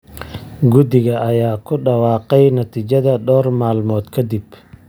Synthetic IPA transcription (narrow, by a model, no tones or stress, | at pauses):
ɡʊd̪ɪɣɐʔɐjaːkʰʊɖɑwɑːqɛjnɐt̪ʰiːt͡ʃɐðɐɖɔːrmaːlmɔːd̪kʰɐd̪ɪb